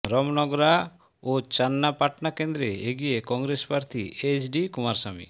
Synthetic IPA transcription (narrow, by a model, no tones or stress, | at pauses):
ɾɔmnɔɡɾa | ot͡ʃanːapaʈnakend̪ɾeeɡijekɔŋɾespaɾt̪ʰḭet͡ʃʰɖikumaɾsamḭ